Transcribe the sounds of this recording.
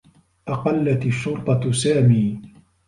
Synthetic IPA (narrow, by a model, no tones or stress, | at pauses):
ʔɑqɑlːat̪ɪʃːʊɾt̪ˤɑsaːmiː